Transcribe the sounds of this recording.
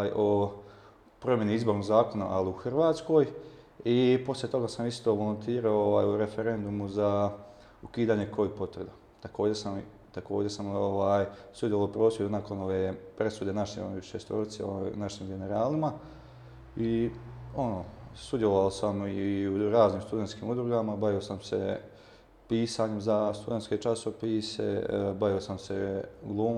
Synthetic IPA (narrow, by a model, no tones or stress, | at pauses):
aːjo̞ | pɾo̞mje̞niizbo̞ɾnoɡzaːko̞na̰ʔaliuxrʋaːt̪sko̞ːj | ipo̞slje̞t̪o̞ɡasamist̪o̞ːʋolont̪ʰiːɾaooʋa̰ːjuɾe̞fe̞ɾe̞nd̪umuza | ukiːd̪aːɲe̞kojipo̞t̪ʋɾed̪a | t̪akʰo̞ːd͡ʑe̞sam | t̪ako̞ːd͡ʑe̞ɾsamoʋaːjsud̪jelalopɾoːsjed̪unako̞no̞ʋeːpɾe̞sud̪enaʃeoʃest̪o̰ɾit̪seonaʃiːmɡe̞ne̞ɾaːlima | io̞no̞ːsud̪jeloʋalsamiiuɾaːzniːmst̪ud̪e̞nt̪kiːmud̪ɾuɡamabaʋiosamse̞̰ | piːsaːɲemzast̪ud̪et̪sket͡ʃaso̞pise̞̰baʋiosamse̞ɡlˠuːm